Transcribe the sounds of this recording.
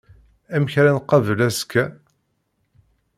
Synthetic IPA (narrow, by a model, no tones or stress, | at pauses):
æmçɾænqɑvəlæskːæ